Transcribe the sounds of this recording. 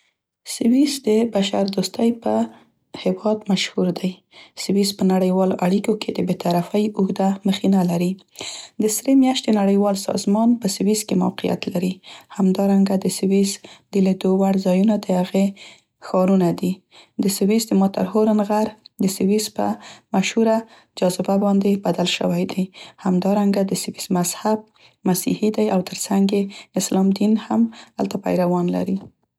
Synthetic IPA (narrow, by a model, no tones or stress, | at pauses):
sɪwizd̪əbaʃaɾd̪ost̪ajpə | hɪwɑd̪maʃhuɾd̪aj | sɪwizpənaɽəjwɑloʔaɽikokʰed̪əbet̪aɾafajʊɣd̪aməxinalaɾi | d̪əsɾemjɑʃt̪enaɽəjwɑlsɑ̰zmɑnpəsɪwiskema̰wqija̰t̪laɾihamd̪ɑɾaŋɡad̪əsɪwizd̪əled̪owaɽzɑjunad̪əhaɣe | xɑɾunad̪i | d̪əsɪwizd̪əmɑt̪a̰ɾhoɾanɣaɾd̪əsɪwizpə̰maʃhuɾa | d͡ʒɑzɪbabɑnd̪ebad̪alʃə̰wajd̪ajhamd̪ɑɾaŋɡad̪əsɪwizmaz̥hab̚ | masḭhid̪ajawt̪ʰəɾsaŋɡeɪslɑmd̪inhamha̰lt̪apa̰jɾawɑnla̰ɾi